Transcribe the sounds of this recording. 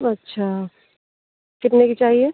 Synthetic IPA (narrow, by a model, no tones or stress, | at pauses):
ɐtːʃʰa | kɪt̪nekit͡ʃaːɦie